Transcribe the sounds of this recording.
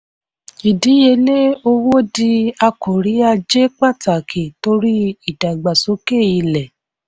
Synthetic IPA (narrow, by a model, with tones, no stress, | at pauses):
i˨di˨˦je˧le˦o˧wo˦di˧˦a˧ko˨ɾi˨˦a˧d͡ʒe˦k͡pa˦˨ta˨kʰe˨to˧˦ɾi˦i˦˨da˨i˨ɡ͡ba˨so˨˦ke˦˨i˧lɛ˨